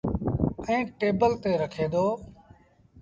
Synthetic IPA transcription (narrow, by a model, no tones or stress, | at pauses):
ɛ̃ːʈeːbəlt̪eːɾəkʰeːd̪oː